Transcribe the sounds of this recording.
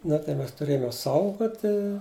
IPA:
ˈnɐ tɐɪ ˈmʲɛs tʊˈrʲeːjoːm joːs ˈsɐʊɡoːtʲɪ

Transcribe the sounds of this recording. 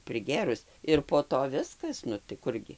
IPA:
pʲrʲɪˈɡʲeːrʊs ɪr poː ˈtoː ˈʋʲɪskɐs ˈnʊ tɐɪ ˈkʊrʲɡʲɪ

